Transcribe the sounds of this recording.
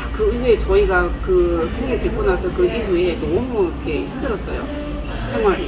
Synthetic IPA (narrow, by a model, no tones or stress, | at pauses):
kɯɯwet͡ɕʌiɡakɯs͈ʰɯnetwek͈onasʰʌkɯʔibue̞nʌmuikʰe̞himdɯɾʌs͈ʌjo̰ | t͡ɕʰaŋwaɾ